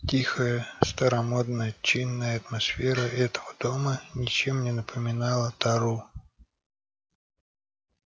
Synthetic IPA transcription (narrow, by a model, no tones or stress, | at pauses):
tʲixəjəst̪əɾɐmo̞d̪nəjət͡ɕinːəjəɐt̪mɐsfʲeɾəʔɛt̪əvəd̪̥omənʲɪt͡ɕemnʲɪnəpʰəmʲɪnɑlˠət̪ɐɾu